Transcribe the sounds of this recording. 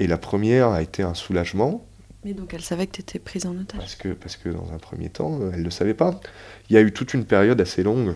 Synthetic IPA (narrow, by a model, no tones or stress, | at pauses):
elapχəmjɛʁaet̪ʰeɛ̃sulaʒmɑ̃ | mɛd̪ɔ̃kɛlsavɛkət̪et̪ʰɛpχizɑ̃nɔt̪apaʁsə̥kʰəpaʁsə̥kʰəd̪ɑ̰̃zɛ̰̃pχə̰mjḛt̪ʰɑ̰̃øɛlːəsavɛpailjayt̪ut̪ynpɛʁjɔd̪aselɔ̃ɡ